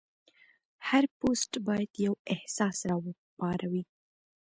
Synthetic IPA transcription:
haɾposʈbɑjad̪̥jawɪhsɑsɾɑwə | pɑɾʔawi

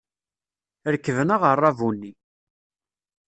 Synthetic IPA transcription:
ɾəkːəvənəʁərˤːɑvunːi

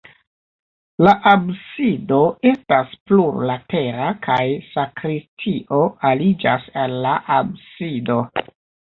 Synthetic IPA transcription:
laʔabsido̞e̞staspluɾlate̞ɾakʰajsakɾistʰiʔo̞alid͡ʒa̰salːaʔabsido̞

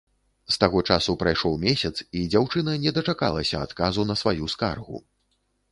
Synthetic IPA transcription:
st̪aɣɔt͡ʂasupɾajʂɔwmʲesʲɐt̪sid͡zʲawt͡ʂɨnɐnʲɛd̪ɐt͡ʂakalˠɐsʲɐa̰t̪kazunɐsvajuska̰rɣṵ

